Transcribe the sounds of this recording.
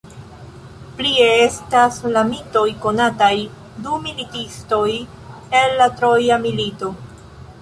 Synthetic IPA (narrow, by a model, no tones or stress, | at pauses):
plieestaslamito̞jko̞nataj | dumilitisto̞j | e̞lːatɾo̞jamilito̞